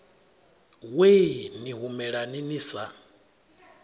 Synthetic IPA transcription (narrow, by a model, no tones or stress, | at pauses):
weniɦumɛɺaniniːsa